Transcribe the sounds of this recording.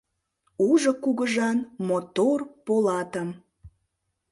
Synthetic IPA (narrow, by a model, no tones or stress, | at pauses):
uʒokuɣəʒɑnmot̪orpolɑt̪əm